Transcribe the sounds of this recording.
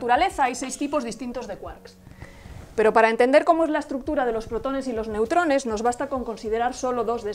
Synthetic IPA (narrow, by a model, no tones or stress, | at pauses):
t̪uɾale̞θaajse̞jst̪ipo̞zðist̪int̪o̞zðe̞kwaɾks | pe̞ɾo̞paɾae̞nt̪e̞nd̪eɾko̞mo̞e̞zlae̞st̪ɾuk̚t̪uɾað̞e̞lo̞spɾo̞t̪o̞ne̞silo̞zne̞wt̪ɾo̞ne̞zno̞zβast̪ako̞ŋko̞nsið̞e̞ɾaɾso̞lo̞ðo̞zðe